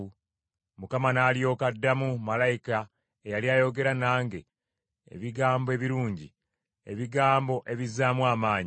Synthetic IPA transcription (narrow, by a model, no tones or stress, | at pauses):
mukamanaːlijo̞ːkadːamumalajika | ejaliajo̞ɡe̞ɾanaːŋɡe̞ | ḛβiɡaːmboe̞βiɾuːɲɟi | e̞̰βiɡaːmbo̞ʔe̞βizaːmwaːmaːɲi